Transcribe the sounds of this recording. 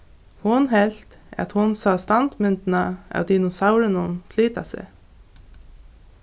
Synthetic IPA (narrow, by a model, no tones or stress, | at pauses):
hʊnhɛlt̪ | ʔɛ̰t̪hʊnsɑːst̪ɑnt̪mʏnt̪n̩ɑʔɑ̰ʊd̪iːnʊsaʊɾənʊnfʰliːt̪ɑ̰sɛ̰